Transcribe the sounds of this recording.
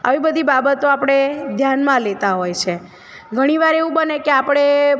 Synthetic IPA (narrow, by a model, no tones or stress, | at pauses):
ə̰ʋibəd̪ʱibabət̪oapɽ̃ed̪ʱjanmãlet̪aɦojt͡ʃʰe | ɡʱəɽ̃iʋaɾeʋũbənekeapɽ̃e